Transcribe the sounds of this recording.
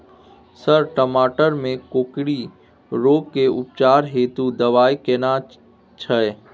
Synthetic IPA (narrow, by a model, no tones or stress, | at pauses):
səɾʈəmaːʈəɾmẽkoːkɽi | ɾoːɡkeʊp̚t͡ʃaːɾɦeːt̪ud̪ɐʋaːjkeːna | t͡ʃʰə